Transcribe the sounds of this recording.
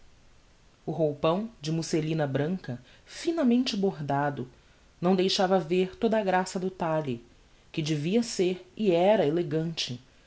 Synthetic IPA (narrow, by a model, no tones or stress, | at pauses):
ʊɦowpɐ̃w̃d͡ʒɪmuselĩnɐbɾɐ̃ŋkɐ | finɐmẽnt͡ʃɪboɦd̪ad̪ʊ | nɐ̃w̃d̪ejʃavɐveɾt̪od̪ɐːɡɾasɐd̪ʊt̪alɪ | kɪd͡ʒɪviɐseɾɪɛɾɐeleɡɐ̃nt͡ʃɪ